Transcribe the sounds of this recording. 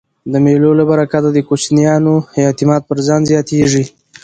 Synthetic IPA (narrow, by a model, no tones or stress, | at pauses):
d̪əmelolabaɾakad̪ad̪əkot͡ʃnijɑnojɑt̪ɪmɑt̪̚pəɾzɑnzjɑt̪eʐi